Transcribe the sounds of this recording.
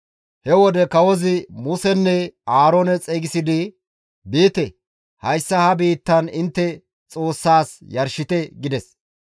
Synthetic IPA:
hɛwɔd̪ɛkɐwɔzɪmʊsɛnːɛaːɾoːnɛt͡sʼeːɡɪsɪd̪ɪ | biːt̪ɛ | hɐjsːɐhɐbiːt̪ːɐnɪnt̪ːɛ | t͡sʼo̞ːsːaːsjɐɾʃɪt̪ɛɡɪd̪ɛs

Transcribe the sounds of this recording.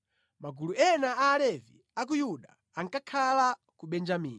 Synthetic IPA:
maɡuluɛnaaːlɛvḭ | ak̬ujuɗa | aŋkakʰala | kuɓɛnd͡ʒamiːni

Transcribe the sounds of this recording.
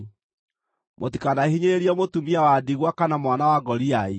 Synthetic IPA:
motikanahiɲeeɾiɔmotumiawadiɣwakanamwanawaɡɔɾiae

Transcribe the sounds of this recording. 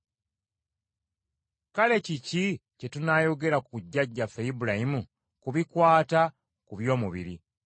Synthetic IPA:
kale̞cicice̞tunaːjo̞ɡe̞ɾakkuɟːaɟːafejibulahimu | kuβikwaːta | kuβjo̞ːmuβḭɾi

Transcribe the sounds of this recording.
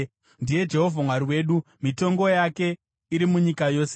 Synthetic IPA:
ndije̞d͡ʒe̞ɦo̞vʱamwaɾiwe̞ːɗu | mito̞ŋɡo̞jake̞ | iɾimuɲikajo̞ːse

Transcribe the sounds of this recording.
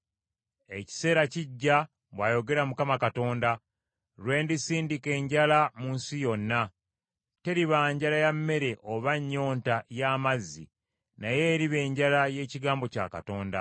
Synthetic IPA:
e̞ci̥se̞ːɾaciɟːa | βwajo̞ɡe̞ɾamukamakato̞ːnda | lwe̞ːndisiːndike̞ːɲɟalamunsijo̞nːa | te̞ɾiβaːɲɟalajamːe̞ɾe̞ʔoβaɲːo̞ːntajaːmazːḭ | naje̞ɾiβe̞ːɲɟalaje̞ːciɡaːmbo̞ca̰ːka̰to̞ːnda̰

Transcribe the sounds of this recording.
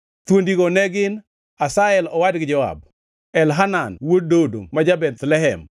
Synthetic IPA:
t̪wondiɡonɛɡɪn | asaɛlɔwadɡɪd͡ʒɔa̰b̚ | ɛlɦananwod̚dodo̰mad͡ʒabɛt̪lɛɦɛm

